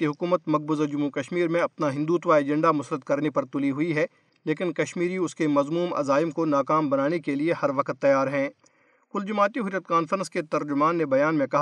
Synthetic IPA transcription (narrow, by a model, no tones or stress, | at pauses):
eɦʊkuːmət̪mɐɡ̚bʊzd͡ʒʊmːukɐʃmiːɾmẽɐpnaɦɪ̃nd̪uːt̪ʋaeːd͡ʒɛ̃ɳɖamʊsɾət̪̚kɐɾnepɐɾt̪ʊliɦʊiɦɛ | leːkɪnkɐʃmiːɾiʊskemɐzmuːmɐ̰zaːɪmkonaːkaːmbɐnaːnekeliehɐɾʋɐkt̪ːɐjːaːɾɦɛ̃ː | kʊld͡ʒʊmaːt̪iɦʊɾjət̪kaːnfəɾə̃nsket̪ɐɾd͡ʒʊmaːnːebɐjaːnmẽkɐɦ